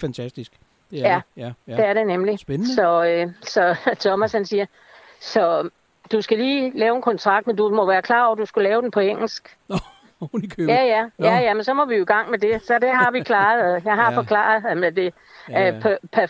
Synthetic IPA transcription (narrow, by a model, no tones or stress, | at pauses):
fænt͡sʰæsd̥isɡ̥ | jæd̥eæɐɾe̝nemlisɒ̽øsɒ̽t͡sʰɒmæshænsiːɐ | sɒ̽ | d̥usɡ̥æliːlɛːʊe̝nkʰɒ̽nt͡sʰʁɑ̈ɡ̥̚d̥mendumɒ̽ʋæːɐkʰlɑ̈ːɒ̰ʊɐd̥usɡ̥ulɛːʊd̥enpʰɒ̽eŋ̰l̩sɡ̥ | kʰjæjæjæjæmensɒ̽mɒʋioiɡ̥ɑ̈ŋ̰med̥e̝sɒ̽d̥eɦɑ̈ʋikʰlɑ̈ːðˠjɑ̈ɪɦɑ̈fɒ̽kʰlɑ̰̈ːð̩ˠmed̥e̝ | pʰpʰæ